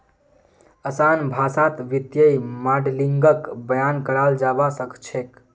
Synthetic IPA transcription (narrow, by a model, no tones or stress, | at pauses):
əsanbʱasat̪ʋit̪jəjmaɖliŋɡəkbəjankəɽald͡ʒaʋasəkt͡ʃʰek